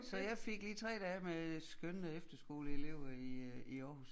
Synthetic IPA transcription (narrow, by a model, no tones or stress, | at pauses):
sɒ̽jɑ̈ɪfe̝ɡ̥liːt͡sʰʁɛ̰ːd̥ɛːmesɡ̥ønnəefd̥ɐsɡ̥o̝̰ːləe̝le̝ʊ̰ɐiiɒːhus